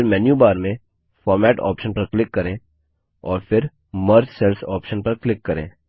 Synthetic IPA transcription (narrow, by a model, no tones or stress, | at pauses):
ɪɾmɛːnjubaːɾmẽ | fɔːɾmɛːʈɔ̰ːpʃənpɐɾklɪkːɐɾẽ | ɔːɾfɪɾ | mɐɾd͡ʒsɛlsɔːpʃənpɐɾklɪkːɐɾḛ̃ː